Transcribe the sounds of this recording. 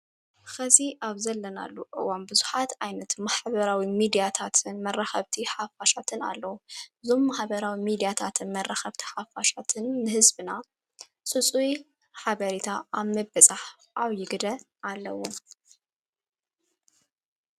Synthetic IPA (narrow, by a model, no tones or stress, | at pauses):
xɐziʔaβzɐlːɐna̰lːuʔʼɨ̰wambɨzu̥ħat̪ajnɐt̪maħbɐɾawimid̪ijat̪ʰat̪ʰɨnmɐraxɐβt̪ʰiħafaʃat̪ʰɨna̰lːɐwuʔɨzo̞mːaħbɐɾawimid̪ijat̪ʰat̪ʰɨnmɐrːaxɐβt̪ʰi̥ħafaʃat̪ʰɨnːɨhɨzbɨna | t͡sʼɨt͡sʼuj | ħaβɐɾit̪ʰaʔaβmɐbɐt͡sʼaħ | ʔaβjɪɡd̪ɐ | ʔalːɐwo